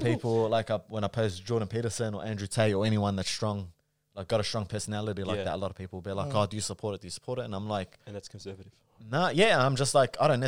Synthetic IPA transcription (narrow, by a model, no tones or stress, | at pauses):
pʰiːˑpəl̩ˠlaɪkawə̃ñaɪpʰoʊzd͡ʒɔːɾn̩pʰiɾəsə̃nəʔæ̃ndɹʉtʰeɪəɛñiwãnðətstɹ̥ɔ̃ŋ | laɪk̚ɡ̥ɔɾəstɹ̥ɔ̃ŋpʰɜ˞sənælˠəɾilaɪk̚ðə̰təlɔɾəv̥pʰipl̩ˠbilaɪkɡɔdɨjəsəpʰɔˑɾɪt̚d̥ɨjəsə̥pʰɔɹɾɪtə̃nãɪ̃mlaɪknðætskʰə̃nsɜːvəɾɪvv | nəjæə̃nãɪ̃md͡ʒʌstˡlaɪkaɪɾõʊ̃n